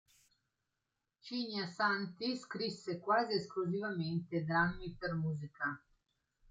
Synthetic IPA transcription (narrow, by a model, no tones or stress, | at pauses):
t͡ʃiɲasant̪iskɾisːekwaːzieskluzivament̪ed̪ɾamːipermuːzika